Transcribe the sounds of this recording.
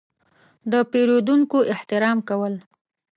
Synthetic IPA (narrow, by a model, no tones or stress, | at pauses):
d̪əpeɾod̪uŋkoʔɪht̪ɪɾɑmkawəl